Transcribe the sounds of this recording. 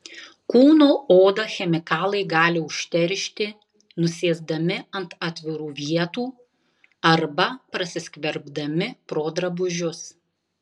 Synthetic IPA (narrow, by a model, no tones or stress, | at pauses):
kuːnoːoːd̪ɐxʲɛmʲɪkɑːlˠɐɪɡɑːlʲɪʊʃʲt̪ʲɛɾʲʃʲt̪ʲɪ | nʊsʲeːzd̪ɐmʲɪɐnt̪ɑːt̪ʲʋʲɪɾuːʋʲiɛt̪uː | ɐɾbɐpɾɐsʲɪsʲkʲʋʲɛɾbd̪ɐmʲɪpɾoːd̪ɾɐbʊʒʲʊs